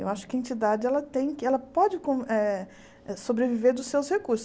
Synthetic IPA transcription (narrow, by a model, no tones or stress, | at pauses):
ḛwaʃʊ̥kɪɐẽnt͡ʃid̪ad͡ʒɪɛlɐt̪ẽj̃kɪɛlɐpɔd͡ʒɪkõɛ | ɛsobɾeviveɾd̪ʊsːewshekuɾsʊ̥